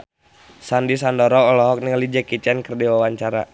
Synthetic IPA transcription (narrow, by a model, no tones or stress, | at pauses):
sandis̬andɔɾɔːlɔɦɔk̚niŋəlid͡ʒɛkit͡ʃɛnkərdiwawaɲt͡ʃaɾa̰